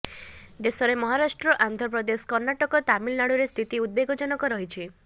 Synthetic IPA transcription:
d̪esɔɾemɔɦaɾasʈɾɔʔand̪ʱɔɾp̬ɾɔd̪eskɔɾnaʈɔkɔt̪amilnaɽuɾest̪ʰit̪iud̪̚beɡɔd͡ʒɔnɔkɔɾɔɦit͡ʃʰi

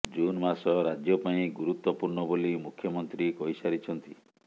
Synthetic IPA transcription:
d͡ʒunmasɔɾad͡ʒjɔpaĩɡuɾut̪wɔpuɾɳɔbolimukʰjɔmɔnt̪ɾikɔjsaɾit͡ʃʰɔnt̪i

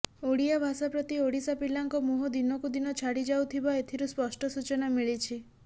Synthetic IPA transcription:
oɽijabʱasapɾɔt̪ioɽisapilaŋkɔmuɦɔd̪inɔkud̪inɔt͡ʃʰaɽid͡ʒawt̪ʰibaet̪ʰiɾuspɔsʈɔsut͡ʃɔnamiɭit͡ʃʰi

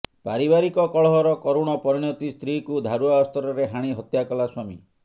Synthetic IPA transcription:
paɾibaɾikɔkɔɭɔɦɔɾɔkɔɾuɽ̃ɔpɔɾiɽ̃ɔt̪ist̪ɾikud̪ʱaɾuaɔst̪ɔɾɔɾeɦaɽ̃iɦɔt̪jakɔlaswamḭ

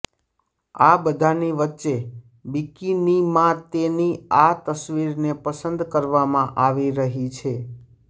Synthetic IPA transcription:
abəd̪ʱaniʋətːʃe | bikinimãt̪eniat̪əsʋiɾnepəsənd̪kəɾʋamãʔaʋiɾəɦit͡ʃʰe

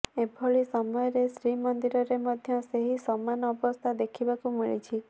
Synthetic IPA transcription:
ebʱɔɭisɔmɔjɔɾesɾimɔnd̪iɾɔɾemɔd̪ʱjɔseɦisɔmanɔːbɔst̪ʰad̪ekʰibakumiɭḭt͡ʃʰi

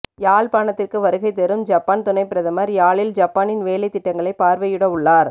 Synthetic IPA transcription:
jaːlpaːnɐt̪ːɪrkɯʋɐɾɯɣɐɪt̪ːɛɾɯmd͡ʒɐpːaːnt̪ʊnɐɪpːɪɾɐðɐmɐɾjaːɭɪld͡ʒɐpːaːnɪnʋeːlɐɪt̪ːɪʈːɐŋɡɐɭɐɪpaːɾʋɐjɯɽɐʋʊɭːaːɾ

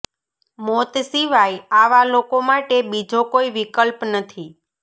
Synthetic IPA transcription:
mot̪siʋajaʋalokomaʈebid͡ʒokoiʋikəlpnət̪ʰi

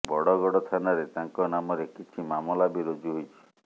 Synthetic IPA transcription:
bɔɽɔɡɔɽɔt̪ʰanaɾet̪aŋkɔnamɔɾekit͡ʃʰimamɔlabiɾod͡ʒuɦojt͡ʃʰi̥

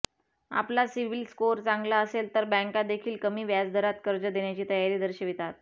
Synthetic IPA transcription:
a̰plasiʋilskoɾt͡sãŋɡlaəselt̪əɾbɛ̃ŋkad̪ekʰiːlkəmiːʋjad͡zd̪ʱəɾat̪kəɾd͡ʑəd̪eɳjat͡ɕiːt̪əjaɾiːd̪əɾɕəʋit̪at̪̚

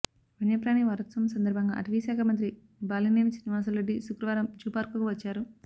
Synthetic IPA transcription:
ʋiɳjɐpɾaːniʋɐɾɐt̪sɐmsɐnd̪ɐɾbʱɐŋɡa̰ːʔɐʈɐʋiʃaːkʰɐmɐnt̪ɾi | baːlineːnisiniʋaːs̬ɐlːɐɖːisukɾɐʋaːɾɐmd͡ʒuːpaːɾkuɡuʋɐt͡ʃːaːɾu

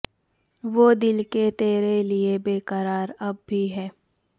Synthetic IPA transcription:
ʋoːd̪ɪlket̪eːɾeliebeːkəɾaːɾɐbːʱiɦɛː

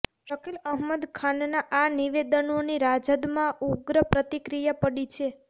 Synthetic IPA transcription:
ʃəkiləɦməd̪kʰannaʔaniʋed̪ənoniɾad͡ʒəd̪mãuɡɾəpɾət̪ikɾijapəɽit͡ʃʰe

